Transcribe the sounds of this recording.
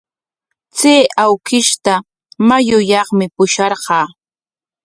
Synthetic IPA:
t͡seːʔawkɪʃt̪a | majʊjɑχmɪpʊʃɑɾɢɑː

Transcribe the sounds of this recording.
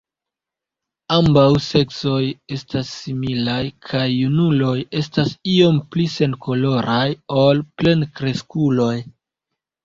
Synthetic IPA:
ambawse̞kso̞je̞stasːimilajkʰajːunulo̞je̞stasio̞mplise̞nkʰo̞lo̞ɾʔajo̞lple̞nkɾe̞skulo̞j

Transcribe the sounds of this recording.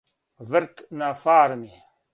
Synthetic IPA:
vəɾt̪naːfaːɾmi

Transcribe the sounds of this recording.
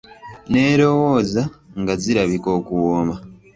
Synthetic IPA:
ne̞ːɾo̞wo̞ːzaŋɡaziɾaβiko̞ːkuwoːmba

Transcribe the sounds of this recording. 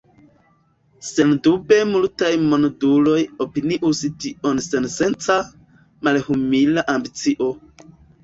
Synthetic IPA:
se̞ndube̞multajmondulo̞jopiniʔustio̞nsense̞nt͡sa | malhumilaʔambit͡siʔo̞

